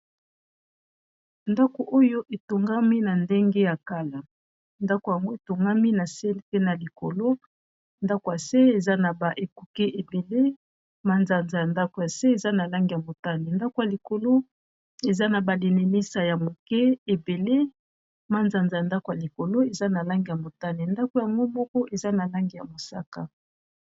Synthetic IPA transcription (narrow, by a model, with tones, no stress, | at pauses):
nda˦ko˨ʔo˦jo˦ʔe˨to˨ŋɡa˦mi˦na˨nde˦ŋɡe˦ja˨ka˦la˨ | nda˦ko˨ja˨ŋɡo˦e˨to˨ŋɡa˦mi˦na˨se˦pe˦na˨li˨ko̰˨lo˦ | nda˦ko˨ja˨se˦e˨za˦na˨ba˨ʔe˨ku˨ke˦ʔe˨be˨le˦ | ma˦nza˨nza˨ja˨nda˦ko˨ja˨se˦e˨za˦na˨la˦ŋɡi˨ja˨mo˨ta˦ne˨nda˦ko˨ja˨li˨ko˨lo˦ | e˨za˦na˨ba˨le˨ne˨ne˦sa˨ja˨mo˨kɛ˦e˨be˨le˦ | ma˦nza˨nza˨ja˨nda˦ko˨ja˨li˨ko˨lo˦e˨za˦na˨la˦ŋɡi˨ja˨mo˨ta˦ne˨nda˦ko˨ja˨ŋɡo˦mɔ˦kɔ˦ʔe˨za˦na˨la˦ŋɡi˨ja˨mo˨sa˦ka̰˨